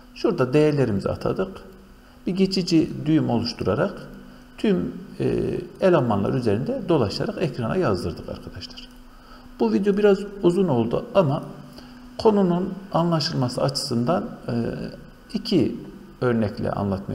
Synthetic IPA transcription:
ʃuɾd̪ad̪ejɛɾlʲe̞ɾimizḭa̰t̪ʰa̰d̪ɯq | b̥iɟet͡ʃʰid͡ʒid̪yjymo̞lˠuʃt̪ʰuɾaɾaq | t̪ʰym̰ | elʲavmanlˠa̰ɾyze̞ɾind̪ɛd̪o̞lˠaʃa̰ɾaqɛcɾana̰jazd̪ɯɾd̪ɯqʰa̰ɾkʰad̪aʃlˠḁɾ̥ | b̥uvid̪jo̞biɾazuzuno̞lˠd̪ṵama | kʰo̞nununanlˠaʃɯlˠmasɯat͡ʃʰɯ̥sɯnd̪an | icʰi | ø̞ɾnɛcʰlʲɛ̰ʔa̰nlˠat̪maj

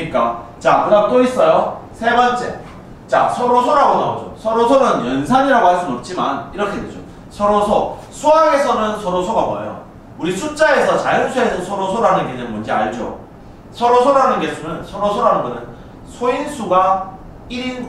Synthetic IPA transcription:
ɲik͈at͡ɕakɯɡat͈ois͈ʌjosʰe̞bʌnt͡ɕ͈e̞̰ | t͡ɕa̰sʰʌɾosʰoɾaɡonaod͡ʑo̰sʰʌɾosʰoɾɯnjʌnsʰaɲiɾaɡohaɭs͈unʌp̚t͡ɕ͈ima̰niɾʌkʰe̞ded͡ʑo | sʰʌɾosʰosʰoaɡe̞sʰʌnɯnsʰʌɾosʰoɡaboḛjo̰ | uɾisʰut͡ɕ͈ae̞sʰʌt͡ɕajɯnsʰue̞sʰʌsʰʌɾosʰoɾɦanɯnɡeɲʌnmʌnd͡ʑia̰ɭd͡ʑo̰ | sʰʌɾosʰoɾɦanɯnɡe̞sʰunɯnsʰʌɾosʰoɾɦanɯnɡʌnɯn | sʰoinsʰuɡa | iɾin

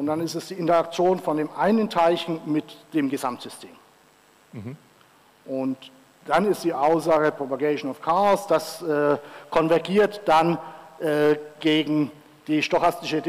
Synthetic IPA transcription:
ʊntd̥anɪstɛsd̥iːʔɪntɐak̚t͡sjoːnfɔndeːmʔaɪnəntʰaɪçn̩mɪtd̥eːmɡəzamtz̥ʏstʰeːm | ʔʊnt | d̥anɪstd̥iːʔaʊszaːɡəpʁ̥ɔpaɡeɪʃonɔfkʰaːsd̥asʔɛːkʰɔnvɛɐɡiːɐtd̥anʔɛːɡ̥eːɡŋ̩ | d̥iːʃtɔxastɪʃəd

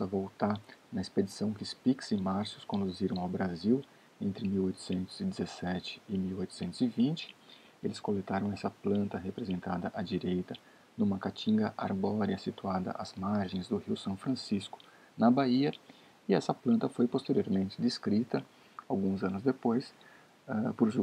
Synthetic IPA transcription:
ɐvowt̪aɾnɐesped͡ʒisɐ̃w̃kɪʊspiksɪ̃maɾsʊskõnd̪uziɾɐ̃w̃awbɾaziw | ẽnt̪ɾɪmiwojt̪ʊ̥sẽnt̪ʊz̥ɪd͡ʒ̪ɪzesɛt͡ʃɪ̥ɪmiwojt̪ʊ̥sẽnt̪ʊzɪvĩnt͡ʃɪ̥ | elɪskolet̪aɾɐ̃w̃ɛsɐplɐ̃nt̪ɐɦepɾezẽnt̪ad̪ɐʔɐd͡ʒiɾejt̪ɐ | nũmɐkat͡ʃĩŋɡɐʔa̰ɾbɔɾiɐsit̪uad̪ɐ̰ʔɐ̰z̥maɾʒẽj̃zd̪ʊhiwsɐ̃w̃fɾɐ̃siskʊ̥ | nɐbaiɐ | ɪɛsɐplɐ̃nt̪ɐfojpost̪eɾioɾmẽnt͡ʃɪd̪eskɾit̪ɐ | awɡũzɐ̃nʊzd̪epojs | ɛpoɾʒ

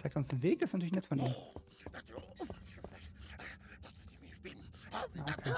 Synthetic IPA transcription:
t͡saɪktʊnsdenveːk̚d̥aɪsntʰyːlɪçnɛtfɔniːm | jaokʰeː

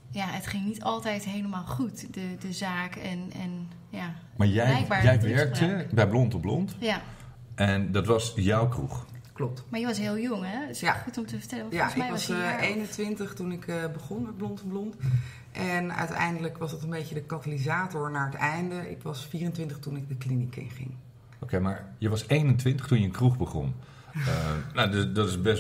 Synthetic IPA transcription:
jaətχɪŋnitɑlˠtɛjtɦejləmaːlˠχutdədəzaːkɛnɛ̰n | ja | maːɹjɛjɛjɡ̚baːɛjʋɛɹɹk̚təbɛjblɔntɔblɔ̰ntja | ʔɛndɑtʋɑsjɔwkrṵχklɔp̚tmaːɹjəʋɑsɦɪːlˠjɔŋɦɛsjaχutɔmtəvəɹtɛləɔjaɛjɑsejnəntʋɪntəχtunɪkəbəχɔnmɛt̚blɔntblɔnt | ʔɛnœ̰tɛ̰jndələkʋɑsdɑtənbejcədəkɑtalizaːtɔɹnaːɹətɛjndəʔɪ̰kʋɑsfiːrəntʋɪntəχtunɪk̚dəklinikɪ̰ŋχɪ̰ŋ | owkemaːɹjəʋɑsejnəntʋɪntəχtunjəənkruχbəχɔ̰n | naddɑtɪsbɛs

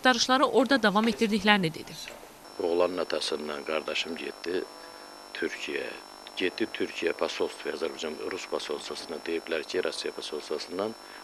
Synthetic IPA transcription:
t̪ɑɾɯʃlˠɑɾɯʔo̞ɾd̪ɑd̪ɑvɑme̞t̪ʰd̪iɾd̪içlæɾinid̪e̞̰d̪̥i | oʁlˠɑnɯnɑt̪ʰɑsɯnd̪ɑnɡɑɾd̪ɑʃɯmɟet̪d̪i | t̪ʰyɾcʰijæ̰ | ɟet̪̚d̪it̪ʰyɾcʰijæpʰɑsolˠst̪vjɑzæɾbɑd͡ʒɑnɾuspʰɑsolˠsasɯnɯd̪ejiblæɾcʰiɾʔɑsijɑpʰɑsolˠst̪ɑsɯnd̪ɑn

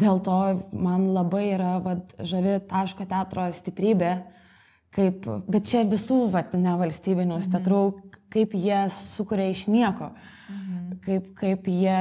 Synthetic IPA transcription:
d̪ʲeːlˠt̪oːmɐnlˠɐbɐɪiːɾɐʋɐt̪ʒɐʋʲɪt̪ɑːʃkoːt̪ʲæːt̪ɾoːsʲt̪ʲɪpʲɾʲiːbʲeː | kɐɪpbʲɛt̪̚t͡ʃʲɛʋʲɪsuːʋɐt̪nʲɛʋɐlʲsʲt̪ʲiːbʲɪnʲuːsʲt̪ʲɛt̪ɾuːkɐɪpjiɛsʊkʊɾʲɛɪʃnʲiɛkoː | kɐɪpkɐɪpjiɛ

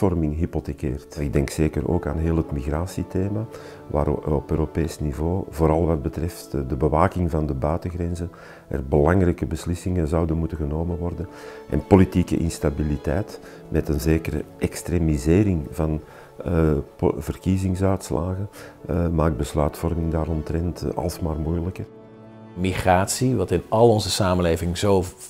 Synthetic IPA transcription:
ɔrmɪŋɦipotekeːrtɪɡ̚dɛŋkseːkə̰ɾo̰ːka̰ːnɦeːlˠətmiɣraːsiteːma | ʋa̰ːɾɔpøːɾopeːsnivoːvoːɾɑlˠʋɑd̚bətrɛftdəbəʋaːkɪŋvɑndəbœɥtəɣɾɛnzən | ʔɛ̰rbəlɑŋrɛjkəbəslɪsɪŋənzɑwdənmutəɣənoːmənʋɔrdən | ʔɛ̰npolitiːkə̰ʔɪ̰nstabilitɛjt | mʔɛtənzeːkəɾə̰ʔɛkstreːmizeːɾɪŋvɑn | vərkizɪŋsœɥtslʔa̰ːɣənmaːɡ̚bəslœːtfɔrmɪŋdaːɾɔntrɛntɑ̰lˠsmaːrmujləkər | miχraːtsiʋɑtɪnɑlˠɔnzəsaːməleːvɪŋzoː

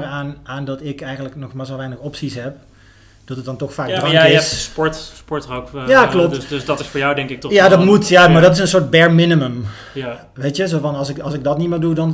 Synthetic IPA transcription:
ranaːndɔtɪkɛjɣəndləknɔxmas̬ɔlˠʋɛjnəxɔpsishɛp̚ | d̥ɔtət̚dɔntɔxfaːk̚draŋkɪsspɔɹtspɔɹtropjaklop̚sdɔtɪsfoːɹjawdɛŋkɪk̚jadɔtmutjamardɔtɪsənsoɹt̚bɛrmɪnəməm | ʋeːtjəsoːfɔnɔsɪkɔsɪk̚dɔtnimərdudɔn

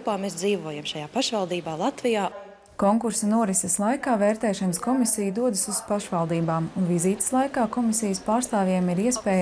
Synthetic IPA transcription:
paːmeːsd̪ziːvuɔjamʃajaːpaʃvalˠd̪iːbaːlˠat̪vijaː | kɔŋkuɾsɐnuɔɾiseslˠajkaːvɛːɾt̪ɛːʃɐnəskɔmisijd̪uɔd̪suzpaʃʋalˠd̪iːbaːmunviziːt̪slˠajkaːkɔmisijəspaːɾst̪aːvjeɛmiɾiɛspɛːj

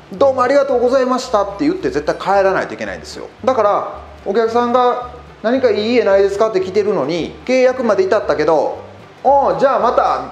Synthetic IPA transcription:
d̪o̞ːmo̞aɾʲiɡat̪o̞ːɡo̞zaimaɕi̥t̪at̪ːe̞jɯ̟t̪ːe̞ze̞t̪ːaikʰaeɾana̰ḭt̪o̞ike̞na̰ḭnd̪esɨjo̰d̪akaɾa | o̞kʲakɯ̟sãŋɡa | naɲ̟ikaiːe̞naid̪e̞sɨ̥kat̪ːe̞kʲit̪e̞ɾɯ̟no̞ɲ̟ike̞ːjakɯ̟mad̪e̞it̪at̪ːake̞d̪o̞ | õd͡ʑaːmat̪a

